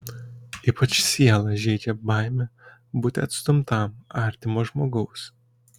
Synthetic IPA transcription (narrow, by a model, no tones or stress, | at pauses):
iːpɐt͡ʃsʲiɛlˠɐʒʲɛɪd͡ʒʲɛbɑˑɪmʲɛ | buːt̪ʲɛɐt̪st̪ʊmt̪ɐˑmɑˑɾʲt̪ʲɪmoːʒmoːɡɐʊs